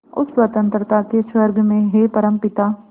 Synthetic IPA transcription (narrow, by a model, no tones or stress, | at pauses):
ʊswɐt̪ə̃nt̪ɾət̪akeʃwəɾɡʱmẽɦepɐɾə̃mpɪt̪aː